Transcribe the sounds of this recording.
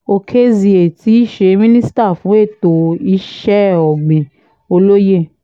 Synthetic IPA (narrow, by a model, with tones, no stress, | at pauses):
o˧kʰe˦zi˧e˨ti˨˦i˦˨ʃe˧˦mĩ˦nĩ˦si̥˦ta˦˨fũ˨˦e˦˨to˨i˧˦ʃɛ˦ɔ˨ɡ͡bẽ˨ | o˧lo˦je˦˨